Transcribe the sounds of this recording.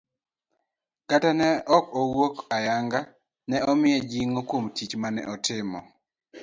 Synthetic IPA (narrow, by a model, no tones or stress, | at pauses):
katanɛʔɔkɔwokajaŋɡa | nɛɔmɪɛd͡ʒiŋokwomtit͡ʃmanɛ̰ʔɔtɪmɔ̰